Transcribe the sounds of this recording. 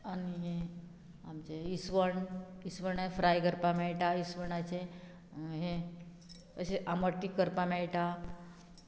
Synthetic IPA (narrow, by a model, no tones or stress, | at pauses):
aniɦe | amt͡ɕeisʋəɳisʋəɳefɾajɡəɾpamɛɭʈaisʋəɳat͡ɕe | ɦẽ | əɕeʔaməʈːikəɾpamɛɭʈa